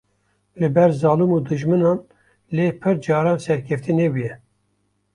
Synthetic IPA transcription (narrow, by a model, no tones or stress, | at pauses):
lɨbɛɾzɑːlumuːd̪ɨʒmɨnɑːn | leːpʰɨɾd͡ʒɑːɾɑːnsɛɾkʰɛft̪ʰinebujɛ